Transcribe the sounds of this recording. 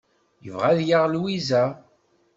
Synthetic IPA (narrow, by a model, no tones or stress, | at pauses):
jə̰vʁæðjaʁlwizæ